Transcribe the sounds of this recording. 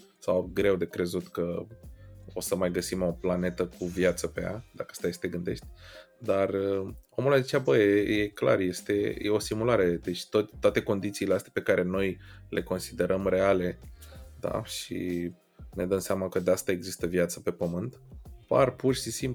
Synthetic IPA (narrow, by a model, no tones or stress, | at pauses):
sawɡɾe̞wd̪e̞kɾe̞zut̪kə | o̞səmajɡəsimo̞plane̞t̪əkuvjat̪səpea̰d̪akəast̪ajest̪eɡɨnd̪e̞ʃt̪ʲ | d̪arəo̞mulazit͡ʃeabəjeje̞kla̰rje̞st̪e̞̰jʔeo̞simulaɾeed̪et͡ʃt̪ot̪t̪oat̪e̞ko̞nd̪it̪siːleast̪ʲḁpe̞kaɾʔe̞no̞jlʔe̞̰ko̞nsid̪e̞ɾʔəmre̞ale̞d̪a̰ʃḭ | ned̪əmseamakəd̪east̪ae̞ɡzist̪əvijat̪səpe̞pəmɨnt̪parpurʃisimp